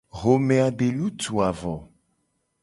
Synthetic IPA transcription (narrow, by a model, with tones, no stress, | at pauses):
ɣo˨mẽ˨a˨ɖe˨lu˦t̪u˨a˨vɔ˨